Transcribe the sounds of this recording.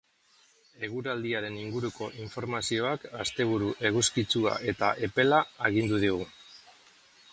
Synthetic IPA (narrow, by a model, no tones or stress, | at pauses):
e̞ɣ̞uɾald̪iaɾe̞niŋɡuɾuko̞ʔiɱfo̞ɾmasio̞akast̪e̞β̞uɾuʔe̞ɣuskit͡sua̰ʔe̞t̪aʔe̞pe̞laːɣind̪uðiɣ̞u